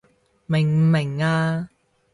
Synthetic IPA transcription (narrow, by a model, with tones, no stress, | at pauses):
mɪ˨˩ŋ˨mɪ˨˩ŋaː˧